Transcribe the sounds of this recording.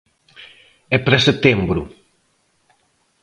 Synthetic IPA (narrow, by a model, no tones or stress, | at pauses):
ɛpɾɛset̪embɾṵ